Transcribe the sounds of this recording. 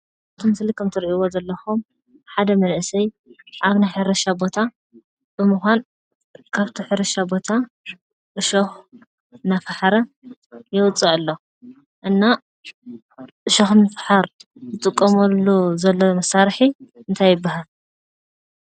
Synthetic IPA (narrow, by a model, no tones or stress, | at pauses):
t̪ʰɨmɨslikʰɐmt̪ʰɨɾʔiwozɐlːɐxum | ħad̪ɐmɐlʔsɐj | ʔaβnajħɨɾɐʃabo̞t̪ʰa | bɨmɨxʷan | kʰaβt̪ʰiħɨɾɐʃabo̞t̪ʰa | ʔɨʃox | nafaħaɾɐ | jɛwʊt͡sʼːɐʕɨlːo | ʔɨnːa | ʔɨʃɐxnɨfħaɾzɨt̪ʼɨkʼːɐmɐlːuzɐlːomɐsaɾħiɨnt̪ʰajːɪbːaɦal